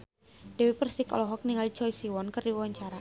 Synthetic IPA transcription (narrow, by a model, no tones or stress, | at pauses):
dɛwipərsikɔ̰lɔɦɔk̚niŋalit͡ʃɔisiwɔnkɨrdiwwaɲt͡ʃaɾa